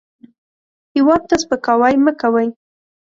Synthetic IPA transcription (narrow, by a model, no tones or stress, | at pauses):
hɪwɑd̪̚t̪aspəkawɑjməkawaj